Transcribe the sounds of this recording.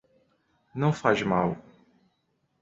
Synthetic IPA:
nɐ̃w̃faʒmaw

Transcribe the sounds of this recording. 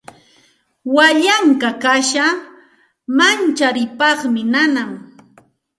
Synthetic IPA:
waʎaŋkakaʃa | mant͡ʃaɾɪpɑχmɪnanaŋ

